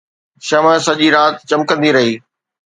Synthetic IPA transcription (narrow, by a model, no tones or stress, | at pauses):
ʃɐmə̃sɐʄiɾaːt̪̚t͡ɕɐ̃mkə̃nd̪iɾɐɦiː